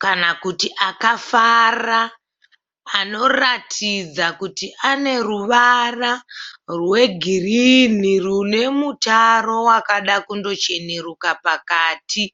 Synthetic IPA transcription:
kanakutiʔakafara | no̞ratʰid͡zakutiʔane̞ruʋararwe̞ɡʱirinirune̞mutaro̞wakaɗakundo̞t͡ʃe̞neɾukapakaːti

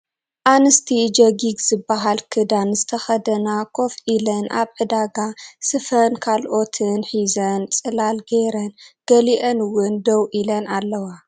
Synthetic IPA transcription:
ʔanɨst̪ʰid͡ʒɐɡiɡz̥ɨbːaɦalkʰɨd̪anzɨt̪ʰɐxɐd̪ɐnakʰo̞fʔilɐnʔa̰βħɨd̪aɡasɨfɐnkʰalʔo̞t̪ʰɨnħizɐnt͡sʼɨlalɡeɾɐnɡ̥ɐliʔɐnwʊnd̪ɐwʔilɐnalːɐwa

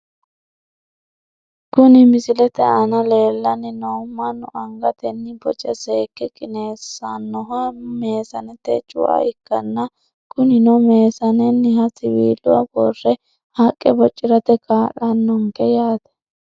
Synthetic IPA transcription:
kʊnɪmɪsɪlɛt̪ɛɐnɐle̞ːlːɐnɪnɔmːɐnːɔʔɐŋɡɐt̪ɛnːɪbɔt͡ʃʼɛseːkːɛkʼɪneːsɐnːɔɦɐme̞ːsɐnɛt̪ɛ̰t͡ʃʼʊ̰wa̰ɪkːɐnːɐ | kʊnɪnɔme̞ːsɐnɛnːɪhɐsɪwḭːlːʊwɐ̰bɔrːɛ | hakʼːɛbɔt͡ʃʼːɪɾɐt̪ɛkaːʔɐnːɔŋkɛjaːt̪ɐ̥

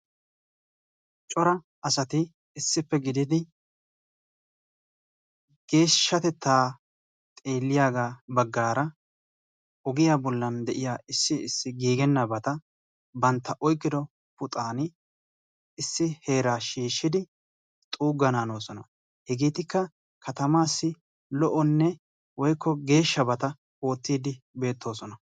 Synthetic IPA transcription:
t͡ʃʼɔɾɐ | ɐsɐt̪ɪ | ɪsːɪpːɛɡɪd̪ɪd̪ɪ | ɡ̥e̞ːʃːɐt̪ɛt̪ʰːaː | t̪ʼe̞ːlːɪjaːɡaːbɐɡːaːɾɐ | ɔɡɪjaːbɔlːɐnd̪ɛʔɪjaːɪsːɪɪsːɪɡiːɡɛnːɐbɐt̪ɐ | bɐnt̪ːɐʔɔjkʼːɪd̪ɔ | pʊt̪ʼaːnɪ | ɪsːɪhe̞ːɾaːʃiːʃːɪd̪ɪ | t̪ʼuːɡɐnaːno̞ːsɔnɐ̰ | hɛɡeːt̪ɪkːɐ | kʰɐt̪ɐmaːsːɪ | lɔʔɔnːɛ | wɔjkːɔɡe̞ːʃːɐbɐt̪ɐ | o̞ːt̪ːiːd̪ɪ | be̞ːt̪ːo̞ːsɔnɐ

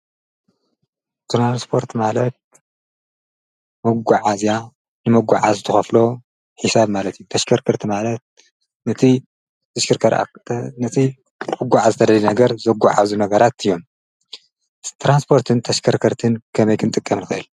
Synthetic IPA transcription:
t̪ʰɾanspʰo̞ɾt̪malɐt̪̚ | mɐɡːaʕazja | nɨmɐɡʷːaʕazt̪ʰɨxɐflo̞ | ħisabmalɐt̪ʰɨjut̪ʰɐʃkʰɐɾkʰɐɾt̪ʰimalɐt̪̚ | nɐt̪ʰi | t̪ʰɐʃkʰɨɾkʰɐɾa̰nɐt̪ʰi | mɨɡʷːaʕazɨt̪ʰɐd̪ɐlnɐɡɐɾzɐɡʷaʕazunɐɡɐɾat̪ɨjːo̞m | t̪ʰɾanspʰo̞ɾt̪ʰɨnt̪ʰɐʃkʰɐɾkʰɐɾt̪ʰɨnkʰɐmɐjkʰɨnt̪ʼɨkʼːɐmnxɨʔɨl

